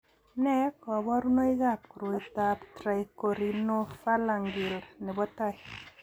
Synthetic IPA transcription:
nɛ˦kɔ˨bɔ˦ɾu˦no˦i˦ɡa˦p̚kɾo˨i˨t̪a˨ptɾa˨i˨ko˨ɾi˨no˦fa˦la˨ŋɡɪ˨lnɛ˨bɔ˦ta˦k

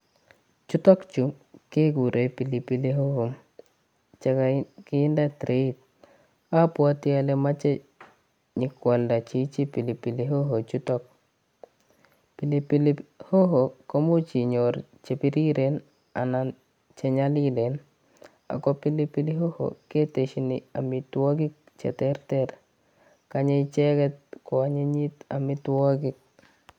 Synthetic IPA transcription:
t͡ʃu˦tɔ˦kt͡ʃu˨ke˦ɡu˨ɾʔe˨pi˨li˨pi˦li˦ɦo˦ho˨m | t͡ʃe˦kakɪ˦ɪ˦nda˦tɾʔe˨˦i˦t̚ | a˦pwa˦ti˦a˦le˦ma˦t͡ʃe˦ | ɲɪ˨kwa˨lda˨t͡ʃi˦t͡ʃi˦pi˨li˨pi˨li˦ɦo˦ɦo˨t͡ʃu˦tɔ˦k̚ | pi˨li˦pi˦li˦ho˦ɦo˨ko˦mu˦t͡ʃi˨ɲoɾ | t͡ʃe˨pi˦ɾi˦ɾen | a̰na | t͡ʃɛ˦ɲalile˨n | a̰˨kɔpi˦li˦pili˦ɦo˦ho̰ke˦te˨ʃinia˨mitwɔ˦kɪ˦k̚ | t͡ʃɛ̰˨tɛɾtɛr | kaɲɛ˦it͡ʃɛkɛ˦t̚kɔ˨aɲe˦ɲi˦ta˨mɪtwɔ˦kɪ˦k̚

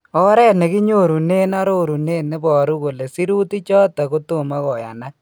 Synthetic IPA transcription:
ɔ˦ɾɛ˦ne˨ki˦ɲo˦ɾu˨ne˦na˦ɾo˦ɾu˨ne˦ne˦bɔ˨ɾu˦ko˨le˨si˦ɾu˦ti˦t͡ʃɔ˦ta˨ko˦to˨ma˦kɔ˨ja̰˨na˦k̚

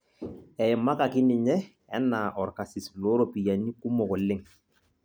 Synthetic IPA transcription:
ɛ˨ma˦ka˨kɪ˦nɪ˨ɲɛ˦ | ɛ˦naː˨ʔɔ˨ɾka˨sɪ˨slɔ˦ɾo˨pi˨ja˨ni˦ku˦mɔ˨kɔ˨lɪ˦ŋ

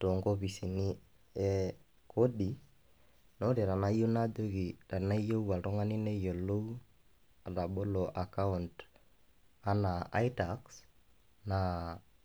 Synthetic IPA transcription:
to˨ŋɡo˦pi˨si˨ni˦ | ɛ˦ | kʰo˦di˨ | no˦ɾi˨ɾa˨na˦jo˦na˦do˦ki˨ɾa˨na˦jo˦wa˨tɔ˦ŋa˦ni˦ne˦jo˨lo˦w | a˨ta˨ɓo˦lo˨ʔa˨ka˦u˨nt | a˦na˨a̰˦jta˨ks | na˨

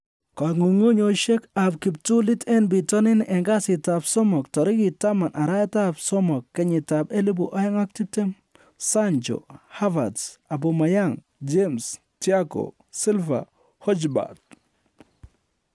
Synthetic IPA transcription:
ka˨ŋu˨ŋu˦ɲo˨ʃe˦ka˨bki˨p̚tu˦li˦tɛ˦nbi˨tɔ˦nɪ˦nʔɛ˨ŋɡa˦sɪ˨ta˨bsɔ˦mɔ˨k̚tɔ˨ɾɪ˦ki˨ta˦ma˨nʔa˨ɾa˦ta˦bsɔ˦mɔ˨kːɛ˦ɲi˨tabe˦li˦bu˨ʔa˦jɛ˦ŋa˦k̚ti˦te˦m | sa˦nt͡ʃo̰˨ha˦va˨dsa˨b̬o˨ma˨ja˦ŋ | d͡ʒems | tiako̰˨ | si˦lva̰˨ | hɔ˦d͡ʒba̰t̚

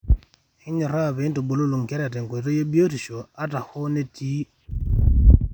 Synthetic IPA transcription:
hɪ˦ɲɔ˨ɾa˦˨βe˨˦n˦to˨bo˨lo˦lu˨ŋ˨ke˦ɾa˨te˨ŋke˨t̬o˦je˦bi˦o˦ti˨ʃo˨a˦ta˨ho˦ne˦tʰi˦

